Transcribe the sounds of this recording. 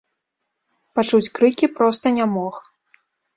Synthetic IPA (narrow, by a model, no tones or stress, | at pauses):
pat͡ʂut͡sʲkɾɨkʲipɾɔst̪ɐnʲamɔx